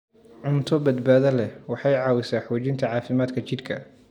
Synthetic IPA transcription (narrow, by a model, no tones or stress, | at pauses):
ʕʊnt̪ʰɔbɐd̪baːðɐlɛwɑħɑjʕɑːwɪsaːħɔːt͡ʃɪnt̪ʰɐʕɑːfɪmaːd̪kʰɐt͡ʃɪd̪kʰɐ